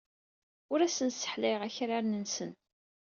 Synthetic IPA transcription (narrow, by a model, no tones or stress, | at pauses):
ʊɾæsənsə̥ħlɪʁæçɾaɾnənsən